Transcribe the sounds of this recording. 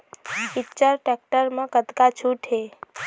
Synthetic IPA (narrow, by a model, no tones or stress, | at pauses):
ɪt͡ʃəɾʈek̚ʈəɾmãkət̪kat͡ʃʰuʈʰɦe